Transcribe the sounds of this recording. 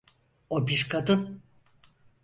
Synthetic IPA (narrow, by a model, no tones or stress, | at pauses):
obiɾkʰad̪ɯn